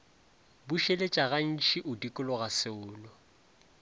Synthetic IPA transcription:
buʃelet͡ʃʼaɣan̩t͡ʃiʔʊdikʼʊlɔɣasɪʊːlɔ

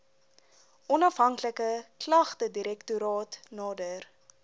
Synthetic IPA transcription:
ʔɔnɐfɦɐŋkləkəklɐχtədiɾɛktuɾɑːtnɑːdər

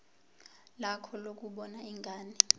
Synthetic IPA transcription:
lakʰɔlok̬ʼuɓɔnaiŋɡʱaːni

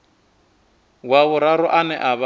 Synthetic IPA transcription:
waβʊɾaɾʊʔanɛʔaβ

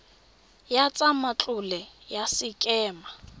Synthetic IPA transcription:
jat͡sʼamat͡ɬʼʊlɛjasɪkʼɛːma

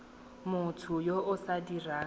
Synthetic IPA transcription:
mʊtʰʊjoʔʊsadiraː

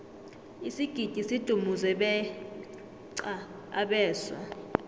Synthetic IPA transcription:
isiɡ̥ʱid̥ʱisid̥ʱumuzɛɓɛ | ǀa | aɓɛːswa̰

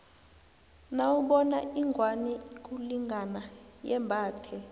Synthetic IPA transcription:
nawuɓɔnaʔiŋɡʱwanik̬ʼuliŋɡʱanajɛmbʱaːtʰɛ

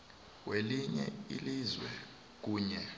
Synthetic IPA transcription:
weliɲɛ̰ḭlizwɛ | k̬uːɲɛ

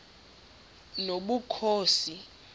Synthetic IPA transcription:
noɓukʰoːsi

